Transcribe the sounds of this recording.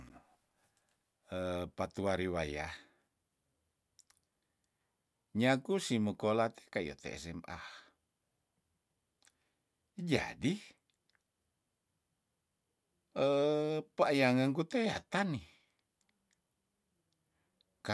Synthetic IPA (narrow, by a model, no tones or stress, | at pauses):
əpat̪uaɾiwajah | ɲakusiməkolat̪e̥kaḭo̰t̪ɛ̰ɛ̰sɛmʔa̰h | d͡ʒa̰di | əpaːjaŋəŋkut̪ea̰t̪ani | ka